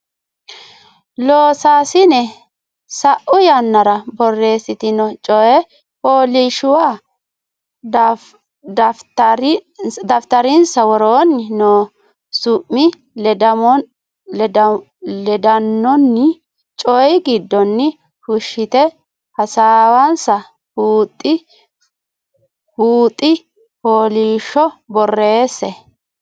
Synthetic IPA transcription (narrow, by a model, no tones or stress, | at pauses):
loːsaːsɪnɛ | sɐʔʊjɐnːɐɾɐbɔrːe̞ːsːɪt̪ɪnɔt͡ʃʼɔjɛ | poːliʃʊwa | tɾd̪ɐft̪ɐɾɪnsɐwɔɾoːnːɪnɔ | sʊʔmɪ | d̪ | lɛd̪ɐnːɔnːɪ | t͡ʃʼɔjɡɪd̪ːɔnːɪ | hʊʃːɪt̪ɛ | hɐsaːwɐnsɐ | huːt̪ʼːɪ | huːt̪ʼːɪ | hoːliːʃɔbɔrːe̞ːsːɛ